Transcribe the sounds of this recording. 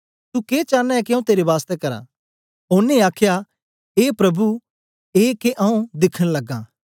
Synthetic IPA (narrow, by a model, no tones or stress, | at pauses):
t̪ukeːt͡ʃaːnːaɛkiɐ̃ũt̪eːɾeʋaːst̪ɛkɐɾa̰ | ʊnːẽaːkʰja | eːpɾɐbu | eːkeʔɐ̃ũd̪ɪkʰːəñlɐɡːã̰ː